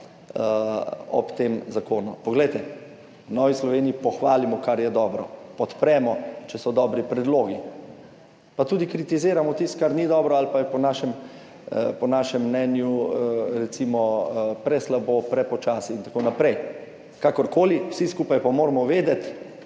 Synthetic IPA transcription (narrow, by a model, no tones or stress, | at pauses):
ɔ̰pt̪emzakoːnupɔɡlɛjt̪ɛ | wnɔʋislɔʋeːniipɔxʋaːlimɔkaɾjɛd̪ɔːbɾɔpɔt̪pɾɛːmɔt͡ʃɛsɔd̪ɔːbɾipɾɛd̪loːɡi | pat̪uːd̪ikɾit̪izeːɾamɔt̪ist̪kaɾnid̪ɔːbɾɔalpajɛpɔnaːʃɛm | pɔnaːʃɛmːnɛːnjuɾɛt̪simɔpɾɛslabopɾɛpɔt͡ʃaːsiint̪ḁkonapɾɛj | kakɔɾkoːliwsiskuːpajpamoːɾmɔʋeːd̪ɛt̪